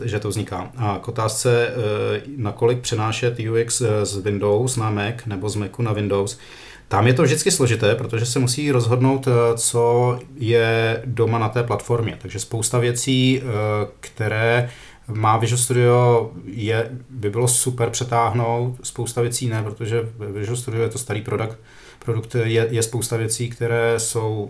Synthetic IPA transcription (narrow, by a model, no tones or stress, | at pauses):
ʒɛt̪ovzɲɪka̰ːʔakʔot̪aːst͡sɛ | nako̞lɪk̚pr̥ɛnaːʃɛt̪juɪkszvɪndo̞wsnamɛknɛbo̞zmɛkunavɪndo̞ws | t̪amjɛt̪ovʒdɪt͡sskɪslo̞ʒɪt̪ɛːpɾo̞t̪oʒɛs̬ɛmusiːɾo̞zɦo̞dno̞wt̪t͡so̞jɛdo̞manat̪ɛːplat̪fo̞ɾmɲɛt̪aɡʒɛspo̞wst̪avjɛt͡siː | kt̪ɛɾɛː | maːvɪʒust̪udɪojɛbɪbɪlo̞supɛɾpr̥ɛt̪aːɦno̞wt̪spowst̪avjɛt͡siːnɛpɾot̪o̞ʒɛvɪʒust̪udɪojɛt̪ost̪aɾiːpɾodakt̪ | pɾodukt̪jɛjɛspowst̪avjɛt͡siːkt̪ɛɾɛːso̞w